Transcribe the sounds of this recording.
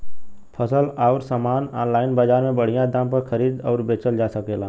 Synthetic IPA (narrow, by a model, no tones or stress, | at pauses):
pʰəsəlaːɾsaːmaːna̰ːnlaːɪnbaːd͡ʒaːɾmẽbəɽ̤ijãd̪ãːmpəɾxʰəɾiːd̪ɔːɾbeːt͡ʃəld͡ʒaːsəkeːlaː